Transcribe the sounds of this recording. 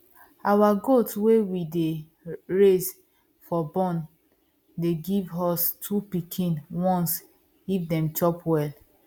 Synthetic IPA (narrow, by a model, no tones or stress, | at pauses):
awaɡotwewide | ɹez | fɔbɔ̃n | deɡivɔstʰupikʰĩnwɔ̃ns | ɡ̥ivdɛ̃mt͡ʃɔpwɛl